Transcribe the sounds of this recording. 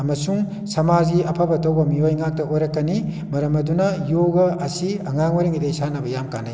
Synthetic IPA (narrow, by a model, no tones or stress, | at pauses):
ɐmɐsuŋ | sɐmaziɐpʰabɐtɐwbɐmiojŋak̚tɐʔojɾɐkːɐni | mɐɾɐmɐdunɐjoɡɐʔɐsiɐŋaŋwɐɾiŋidesanɐbɐjamka̰naj